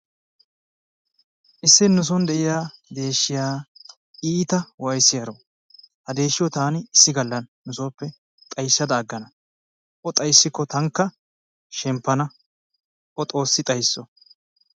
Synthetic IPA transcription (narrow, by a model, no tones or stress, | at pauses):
ʔɪsːɪnːʊs̬ɔnd̪ɛʔɪjaːd̪e̞ːʃːɪjaː | iːt̪ɐwɐjsɪjɐɾo | hɐd̪e̞ːʃːɪjɔt̪aːnɪɪsːɪɡɐlːɐnnːʊsoːpːɛ | t̪ʼɐjsːɐd̪ɐːɡːɐnɐ | ʔɔt̪ʼɐjsːɪkːɔt̪ɐŋkːɐ | ʃɛmpːɐnɐ | ʔɔt̪ʼo̞ːsːɪt̪ʼɐjsːɔ